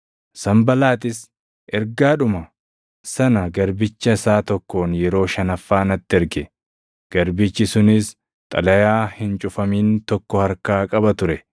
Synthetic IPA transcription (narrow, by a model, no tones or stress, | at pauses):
sɐmbɐlaːt̪ɪs | ʔɛɾɡaːᶑʊmɐ | sɐnɐɡɐɾbɪt͡ʃːɐɪsaːt̪ɔkːo̞ːnjɛɾo̞ːʃɐnɐfːaːnɐt̪ːɛɾɡɛ | ɡ̥ɐɾbɪt͡ʃːɪsʊnɪs | t̪ʼɐ̰lɐjaːhɪnt͡ʃʼʊfɐmiːnt̪ɔkːɔhɐɾkaːkʼɐbɐt̪ʊɾɛ